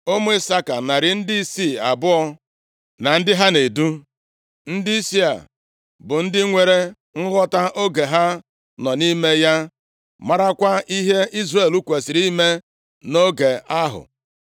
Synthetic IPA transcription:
o˦mʊ˦ɪ˦sa˦ka˨na˨ɾɪ˨n̩˦dɪ˦i˦si˦˨a˨bʊ˦ɔ˦ | na˨n̩˦dɪ˦ɦa˦ne˨du˦ | n̩˦dɪ˦i˦si˦a̰˨ | bʊ˨n̩˦dɪ˦ŋʷe˨ɾe˦ | ŋ̩˦ɣɔ˦ta˦ʔo˦ɡe˨ɦa˦ | nɔ˨ni˦me˦ja˦ | ma˦ɾa˦kʷa˦i˦ɦe˦i˦zre˨lu˦kʷe˨sɪ˨ɾi˦me˦ | no˦ɡe˨a˦ɦʊ̰˨

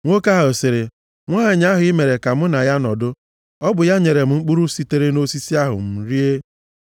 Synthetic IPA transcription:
ŋʷo˦ka˦ɦa˨o˨sɪ˨ɾɪ˨ | ŋʷa˦a˨ɲa˦ɦʊ˨i˦me˨ɾe˨ka˨m̩˦na˨ja˦nɔ˨dʊ˦ | ɔ˦bʊ˨ja˦ɲe˨ɾe˨m̩˦ŋ͡m̩˦k͡pu˦ɾu˦si˦te˦ɾe˦no˦si˦si˦a˦ɦʊ̰˨m̩˨ɾi˦e˦

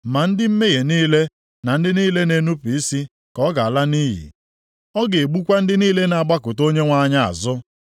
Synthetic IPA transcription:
ma˨n̩˦dɪ˦m̩˦me˦je˨niː˦le˦ | na˨n̩˦dɪ˦niː˦le˦ne˨nu˦pi˨i˦si˦ | kɔ˦ɡa˨a˨la˦niː˦ɦḭ˨ | ɔ˦ɡe˨e˨ɡ͡bu˦kʷa˦n̩˦dɪ˦niː˦le˦na˨a˨ɡ͡ba˦kʊ˨to˦ɲe˦ŋʷa˦˨ɲa˦a̰˨zʊ˦

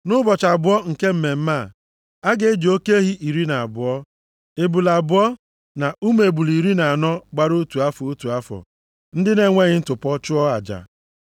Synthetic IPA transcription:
nʊ˦bɔ˨t͡ʃa˨bʊ˦ɔ˦ŋ̩˨ke˦m̩˦me˨m̩˦ma˦˨ | a˦ɡe˨˦d͡ʒo˦ke˦ɦi˦ʔi˨ɾi˦na˨a˨bʊ˨ɔ˦ | ɪ˨bu˨la˨bʊ˨ɔ˦ | na˨u˦me˨bu˨li˨ɾi˦na˨a˨nɔ˦ɡ͡ba˦ɾu˦tu˨a˦fɔ˨u˦tu˨a˦fɔ̰˨ | n̩˦dɪ˦ne˦ŋʷe˦ɣɪ˦n̩˦tʊ˨pɔ˦t͡ʃʊ˦ɔ˦a̰˨d͡ʒa̰˨

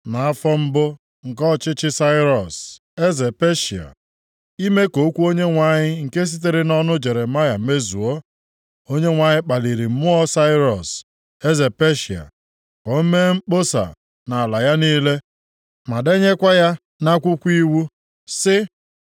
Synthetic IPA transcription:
na˨a˦fɔ˦m̩˦bʊ˦ | ŋ̩˨kɔ˦˨t͡ʃɪ˦t͡ʃɪ˦sa˦ɪ˦ɾɔ˨s | e˦ze˨pe˦ʃi˨a̰˨ | i˦me˦ko˨˦kʷu˦o˦ɲe˦ŋʷa˨ɲɪ˦ŋ̩˨ke˦s̬i˦t̬e˨ɾɪ˦nɔ˦nʊ˦d͡ʒe˨ɾe˨ma˦ja˨˦me˦zu˨ɔ˦ | o˦ɲe˦ŋʷa˨ɲɪ˦k͡pa˨li˨ɾi˨m̩˦mʊ˦ɔ˦sa˦ɪ˦ɾɔ˨s | e˦ze˨pe˦ʃi˨a̰˨ | kʷɔ˨˦m̩˦me˦ŋ͡m̩˦k͡po˦sa̰˨ | na˨a˨la˨ja˦niː˦le˦ | ma˨de˦ɲe˦kʷa˦ja˦ | na˦kʷʊ˦kʷi˦wu˦ | sɪ˦

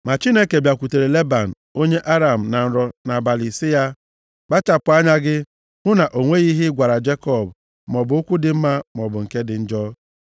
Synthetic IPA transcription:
ma˨t͡ʃi˦ne˦ke˨bja˨kʷu˨te˨ɾe˨le˦ba˨n̩˨o˦ɲe˦ʔa˦ɾa˨m̩˨na˨n̩˨ɾɔ˨na˨ba˨li˨sɪ˦ja˦ | k͡pa˦t͡ʃa˨pʊ˨a˦ɲa˦ɡɪ˦ | ŋʊ˦na˨ʔo˨ŋʷe˦ɣi˦ɦɪ˦ɡʷa˨ɾa˨d͡ʒe˦kɔ˦˨b | mɔ˨bʊ˨ʊ˦kʷʊ˦dɪ˨m̩˦ma˦mɔ˨bʊ˨ŋ̩˨ke˦dɪ˨n̩˦d͡ʒɔː˦

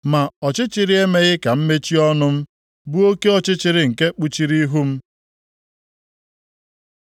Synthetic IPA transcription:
ma˨ɔ˨t͡ʃɪ˦t͡ʃɪ˨ɾi˦e˦me˦ɣɪ˦ka˨m̩˦me˦t͡ʃi˦ɔ˦nʊ˦m̩˦ | bu˦o˦ke˦ɔ˦t͡ʃɪ˦t͡ʃɪ˨ɾɪ˨ŋ̩˨ke˦k͡pu˨t͡ʃi˨ɾi˦ɦu˦m̩˦

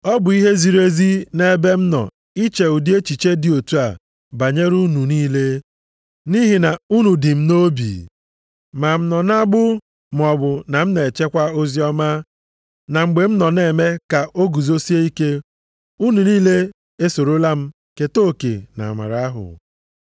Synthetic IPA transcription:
ɔ˦bʊ˨i˦ɦe˦zi˨ɾe˦zi˦ne˦be˦m̩˦nɔ̰˨ | i˦t͡ʃe˨u˨di˦e˦t͡ʃi˨t͡ʃe˦dɪ˨o˨tu˦a˨ | ba˨ɲe˦ɾu˦nu˨niː˦le˦ | ni˦ɦi˨na˨u˦nu˨dɪ˨m̩˦no˦bḭ˨ | ma˨m̩˦nɔ˨na˦ɡ͡bʊ˦ | m˨ɔ˨bʊ˨na˨m̩˦ne˨e˨t͡ʃe˦kʷa˦o˦zi˦ɔ˦ma˦ | na˨ŋ͡m̩˨ɡ͡be˨m̩˦nɔ˨ne˨me˦ka˨ʔo˦ɡu˨zo˦si˦e˦i˦ke˦ | u˦nu˨niː˦le˦ | e˦so˨ɾo˦la˦m̩˦ | ke˨to˦˨kḛ˨na̰˨ma̰˨ɾa˨a˦ɦʊ̰˨

